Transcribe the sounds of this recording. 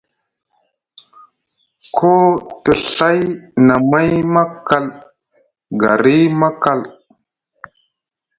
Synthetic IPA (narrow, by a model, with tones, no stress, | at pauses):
kʰo˦tə˨ɬa˦jna˨ma˦jma˦ka˨l | ɡa̰˨ɾi˦ma˦ka˨l